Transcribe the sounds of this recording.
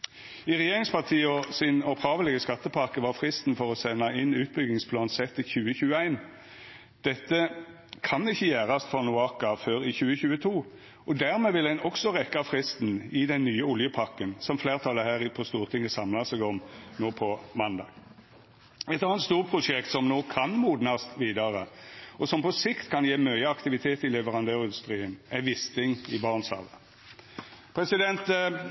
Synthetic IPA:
ɪʁɛjeːʁɪŋspɑʁt̪ʰiːəɔsɪnɔphɑːʋəlɪɡəskɑt̪ːəpʰɑʁkəʋɑfʁɪst̪n̩fɔʁɔsɛnːɑɪnʉːt̪̚bʏɡnɪŋspʰlɑːnsɛt̪ːɪçʉːəçʉːəæɪn | d̪̥ɛt̪ːə | kʰɑnɪçːəjæːʁɑst̪fɔʁnʊɑkɑføːɾɪçʉːəçʉːət̪ʰuː | ɔd̪æʁmeːʋɪlæɪnɔksɔʁɛkːɑfʁɪst̪n̩ɪd̪ɛnːyːəʊljəpʰɑʁkənsɔmfleːʁt̪ʰɑlːəhæːʁɪpʰɔst̪uːʁt̪ʰɪŋːəsɑmlɑsɛɡɔmnoːpʰɔmɑnd̪ɑ̰ | ɛt̪ɑːnət̪st̪uːʁpʰʁʊʂɛkt̪sɔmnoːkʰɑnmuːd̪nɑst̪ʋiːd̪ɑʁəʔɔsɔmpɔsɪkt̪kʰɑnjeːmœʏəɑkt̪ɪʋɪt̪ʰeːt̪ɪlɛʋəʁɑnd̪øːʁɪnd̪ʉst̪ʁiːənæʋɪst̪ɪŋɪbɑːʁnsɑ̰ːʋə | pʰʁɛsɪd̪ɛnt̪

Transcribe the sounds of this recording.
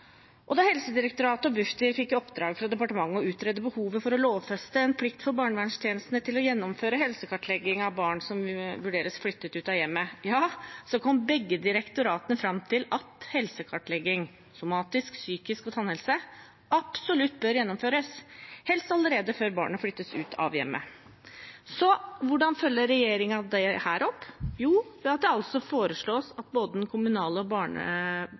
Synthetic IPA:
ʔɔd̪ɑhɛlsəd̪ɪɾɛkt̪ʊɾɑːt̪ɔbʉft̪ɪɾfɪkːɔpd̪ɾɑːɡfɾɑd̪ɛpɑʈəmɑŋːɔʉːt̪ɾɛd̪ːəbəhuːʋəfɔɾɔloːʋfɛst̪əɛnpʰlɪkt̪fɔɾbɑːɳəʋæɳʂt̪ʰjeːnəst̪nət̪ʰɪlɔjɛnːɔmføːɾəɦɛlsəkʰɑʈlɛɡɪŋɑʋbɑːɳsɔmʋʉɖeːɾəsflʏt̪ːət̪ʉːt̪ɑjɛmːəjɑːsɔkʰɔmːbɛɡːəd̪ɪɾɛkt̪ʊɾɑːt̪ənəfɾɑmt̪ʰɪlɑt̪hɛlsəkʰɑʈːɭɛɡɪŋ | sʊmɑːt̪ɪsksyːkɪskɔt̪ʰɑnhɛlsə | ɑpsɔlʉt̪ːbœɾjɛnːɔmføːɾəshɛlst̪ɑləɾeːd̪əføːɾbɑ̰ːɳəflʏt̪ːəsʉːt̪ʰɑ̰ʋjɛ̰mːə̰ | sɔʋʊɖɑnfœlːəɾɛjeːɾɪŋɑd̪ɛhæːɾʔɔpːjuːɑt̪̚d̪ɛɑlsɔfoːɾəʂɭoːsɑt̪̚boːd̪əd̪nkʰʊmʉnɑːləɔbɑːɳə̰

